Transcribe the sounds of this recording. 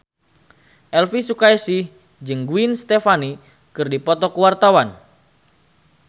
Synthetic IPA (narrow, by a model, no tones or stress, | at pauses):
ʔɛlfisukaisih | d͡ʒɨŋɡuinst̪ɛfani | kɨrdipɔt̪ɔkəwart̪awan